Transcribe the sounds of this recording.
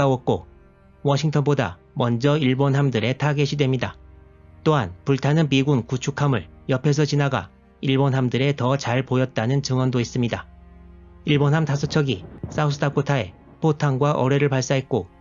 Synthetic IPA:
awʌk̚k͈o | wʌɕʰiŋtʰʌnboda̰ | mʌnd͡ʑʌiɭbonɦamdɯɾe̞tʰaɡe̞ɕʰidwe̞mɲida | t͈oɦanpuɭtʰanɯnmiɡunkut͡ɕʰukʰamɯɭjʌpʰe̞s̬ʰʌt͡ɕinaɡa̰ | iɭbonɦamdɯɾe̞tʌt͡ɕaɭpojʌt̚t͈anɯnt͡ɕɯŋwʌndois͈ɯmɲida | iɭbonɦamtasʰʌt͡ɕʰʌɡis͈ausʰɯdʰakʰotʰae̞̰ | pʰotʰaŋɡwaʔʌɾe̞ɾɯɭpaɭs͈aɦe̞t̚k͈o

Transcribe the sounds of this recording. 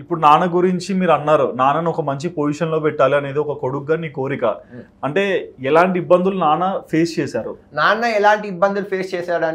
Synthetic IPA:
ipːuɽunaːnɐɡuɾiɲt͡ʃimiːɾɐnːaːɾunaːnɐniɔkɐmɐɲt͡ʃipoːd͡ʒiʃɐnlo̞ːpɛʈːaːliɐne̞ːd̪iɔkɐko̞ɽukːɐːnːiːko̞ːɾikɐ̰ | ɐɳʈe̞ːɛlaːɳʈiibːɐnd̪ulunaːnɐpʰe̞ːst͡ʃɛːsaːɾṵnaːnɐɛlaːɳʈiːbːɐnd̪ulupʰeːst͡ʃɛːsaːɽaːn

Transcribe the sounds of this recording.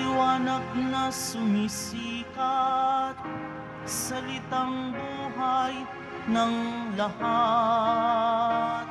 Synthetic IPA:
ɪwaːnɐɡ̚nɐsʊmisiːkɐt̪̚ | sɐlɪt̪aŋbuːɦɐj | nɐŋlɐha | t̪̚

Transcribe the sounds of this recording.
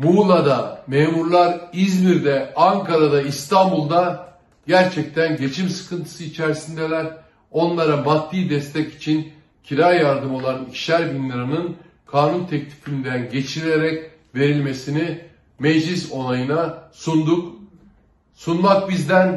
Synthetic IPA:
mulˠad̪ameːmuɾlˠaɾizmiɾd̪ɛaŋkʰaɾad̪aist̪ʰambulˠd̪a | ɟæɾt͡ʃʰɛc̚t̪ʰænɟe̞t͡ʃʰimsɯ̥kʰɯnt̪ʰɯ̥sɯit͡ʃʰæɾsind̪ɛlʲæɾ | o̞nlˠaɾabat̪ʰːɯːd̪ɛst̪ʰɛci̥t͡ʃʰin | cʰiɾajaɾd̪ɯmo̞lˠanicʃæɾbinːiɾanɯn | kʰaːnunt̪ʰɛc̚t̪ʲʰi̥find̪ænɟe̞t͡ʃʰiɾeɾɛc | ve̞ɾilʲme̞sini | mɛd͡ʒlʲis̬o̞nˠajɯnasund̪uk | sunmak̚bizd̪æn

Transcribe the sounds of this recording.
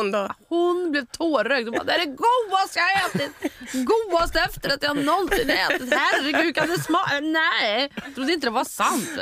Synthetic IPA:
hʊnblɛʋt̪ʰoːɾœk̪̚ɔbɑ̰ɾd̪ɛæɾɛɡuːɐst̪əjaet̪ət̪ɡuːɑst̪əɛft̪əɾɑt̪jɑɑnɔnsɪneːt̪ət̪hæɾːɪɡʉːkʰɑd̪ɛsmɑːnæɪt̪ʰɾʊd̪ːəɪnt̪əd̪ɛʋɑsɑnt̪

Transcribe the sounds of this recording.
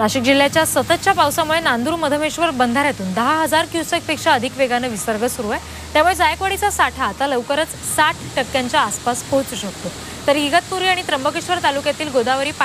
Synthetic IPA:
ɾaɕik̚d͡ʑilːjat͡ɕjasət̪ət̪ːt͡ɕjapawsamuɭenand̪uːɾməd̪ʱəmeɕʋəɾbənd̪ʱaɾjat̪uːnd̪əɦaɦəd͡zaɾkjusək̚pekʂaəd̪ʱikʋeɡanəʋisəɾɡəsuɾuaj | t̪jamuɭed͡zajakʋəɽit͡sasaʈʰaːt̪aləʋkəɾət͡s | saʈʰʈəkːjaɲt͡ɕjaːspaskot͡suɕək̚t̪o | t̪əɾɡiɡət̪̚puɾiːaɽ̃it̪ɾəmbəkeɕʋəɾt̪alukjat̪iːlɡod̪aʋəɾiːp

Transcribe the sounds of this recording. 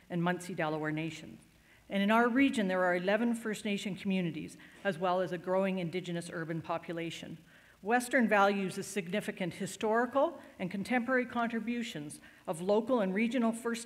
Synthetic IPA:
ɨ̃nmʌ̃nsidælˠoə˞neɪʃɨ̃nz | ɨ̃ɾ̃ɨ̃naʊə˞ɹid͡ʒɨ̃nðə˞ːɨlɛvɨ̃nfɜ˞sneɪʃɨ̃nkʰmjʉnɨɾḭzɨzwɛlˠəzɨɡɹoʊɪ̃ŋɨ̃ndɪd͡ʒɨnɨsɜ˞bɨ̃npʰɑpjɨleɪʃɨ̰̃n | wɛstə̃˞nvælˠjʉzɨ̥sɨɡ̚nɪfɨkɨ̃nʔhɨstɔɹɨkl̩ˠɨ̃nkʰn̩tʰɛ̃mpə˞ɛɹikʰɑ̃ntɹ̥ɨbjʉʃɨ̃nz | ʌvloʊkl̩ˠə̃nɹid͡ʒɨnl̩ˠfɜ˞s

